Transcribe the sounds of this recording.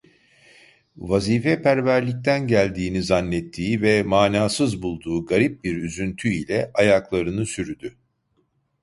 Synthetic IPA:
vaziːfɛpʰæɾvæɾlʲic̚t̪ʰænɟælʲd̪iːnizanːɛt̪ʰːiːvɛmaːnaːsɯzbulˠd̪uːɡaɾip̚biɾyzynt̪ʰyilʲɛʔajaklˠaɾɯnɯsyɾyd̪y

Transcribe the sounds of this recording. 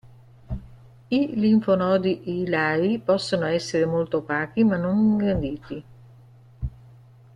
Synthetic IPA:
iliɱfonɔːd̪iʔelaːɾipɔsːonoɛsːeɾemolt̪opaːk̟imanːoŋɡɾand̪iːt̪i

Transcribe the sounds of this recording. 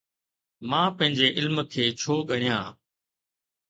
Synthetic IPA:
mãːpɐ̃ɦɪ̃ɲd͡ʑeʔɪlmkʰeːt͡ɕʰoːɠəɽijãː

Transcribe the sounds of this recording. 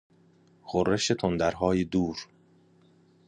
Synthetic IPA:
xorːeʃet̪ʰond̪æɾɦɒːjed̪uːɾ

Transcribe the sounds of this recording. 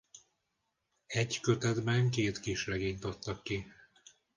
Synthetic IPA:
ɛɟkø̞t̪ɛd̪bɛŋkeːt̪kiʃrɛɡeːɲt̪ɒt̪ːɒkːi

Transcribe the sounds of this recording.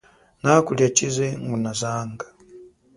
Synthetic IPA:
nakuljat͡ʃizɛŋɡunazaːŋɡa

